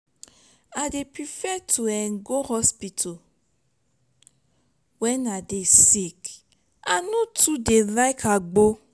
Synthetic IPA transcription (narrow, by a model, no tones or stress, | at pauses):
adepɾifɛtʰuɛŋɡohɔspitʰo | wɛnadesik | anũtudelajkʰaɡ͡bo